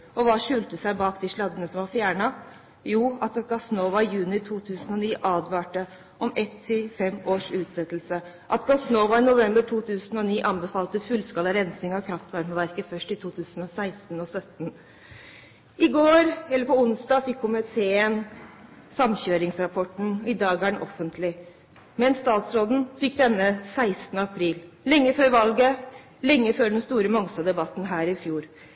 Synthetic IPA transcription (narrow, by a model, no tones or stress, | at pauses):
ʔɔʋɑːʂʉːlt̪əsæɪbɑːkd̪ɪʂɭɑd̪ənəsɔmʋɑɾfjæːɳɑ | juːɑt̪ɡɑsnoːʋɑɪjʉːnɪt̪ʰuːt̪ʰʉːsənɔniːʔɑːd̪ʋɑːʈə | ʔɔmɛt̪ʰːɪlfɛmːoːʂʉːt̪sɛt̪lsə | ʔɑt̪ɡɑsnoːʋɑɪnʊʋɛmbəʈʰuːt̪ʰʉːsənɔniːʔɑnbɛfɑːlt̪əfʉlskɑːləɾɛnsɪŋɑkʰɾɑft̪ʋɑɾməʋæɾkəfœʂʈɪt̪ʰuːt̪ʰʉːsn̩ɔsæɪst̪nɔsœt̪n̩ | ɪɡoːɾɛlːəɾpɔʊnsd̪ɑːfɪkʰːʊmɪt̪ʰeːən | sɑmçøːɾɪŋsɾɑpʰɔʈɳ̩ɪd̪ɑːɡæːɳʔɔfːənt̪ʰlɪ | mɛnsːt̪ɑːt̪sɾoːd̪n̩fɪkːd̪ɛnːəsæɪst̪ənəɑpʰɾiːllɛŋːəføːɾʋɑlɡə | lɛŋːəføːɖɛnst̪uːɾəmɔŋsɑd̪ɛbɑt̪n̩ɦæːɾɪfjuːɾ